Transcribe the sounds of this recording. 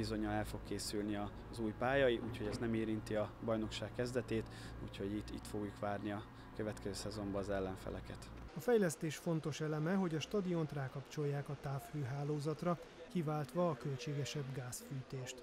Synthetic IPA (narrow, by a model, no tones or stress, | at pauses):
izo̞ɲɒnɛlfo̞kkeːsylniɒ | zuːjpaːjɒjiʔuːcho̞ɟɛznɛmeːɾint̪iɒbɒjno̞kʃaːkːɛzd̪ɛt̪eːt̪ | ṵːcho̞ɟit̪ːḭt̪fo̞ɡjukʋaːrniɒ | køvɛt̪kɛzøːsɛzo̞mbɒːzɛlːɛɱfɛ̰lɛkɛt̪ɒfɛjlɛst̪eːʃfo̞nt̪o̞ʃɛlɛmɛɦo̞ɟɒʃt̪ɒd̪io̞nt̪raːkɒpt͡ʃo̞jːaːkɒt̪aːfhøːɦaːloːzɒt̪rɒ | kivaːlt̪ʋɒːkø̞lt͡ʃeːɡɛʃɛbɡaːsfyːt̪eːʃt̪